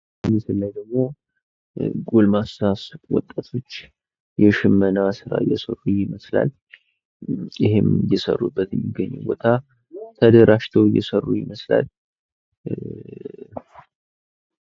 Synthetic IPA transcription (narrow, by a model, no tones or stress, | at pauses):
ɨlisɨlːajd̪əɡmo̞ | ɡulmasaswɔ̰t̪ʼːat̪ʰo̞t͡ʃː | jɛʃɪmːənasɨɾa̰jɛsərːujɪməsla̰l | jɪhɪmjɛsə̰rːubːət̪ɨmːɪɡːəɲːṵbo̞t̪ʰa | t̪ʰəd̪əɾaʃt̪ʰəwjɛ̰sərːujɪməsla̰l